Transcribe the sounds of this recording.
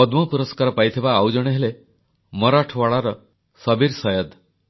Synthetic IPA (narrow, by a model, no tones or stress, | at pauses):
ɔd̪mɔpuɾɔskaɾɔpajt̪ʰibaːwd͡ʒɔɽ̃eɦele | mɔɾaʈʰɔwaɭaɾɔ | sɔbiɾsɔjɔd̪